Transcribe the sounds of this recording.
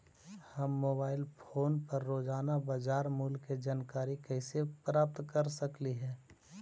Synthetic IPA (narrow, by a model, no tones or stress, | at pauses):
həmːoːbaːɪlpʰoːnpəɾːoːd͡ʒaːnabad͡ʒaːɾmuːlked͡ʒaːnkaːɾikəɪsepɾaːp̚t̪kəɾsəkliɦɛ̃ː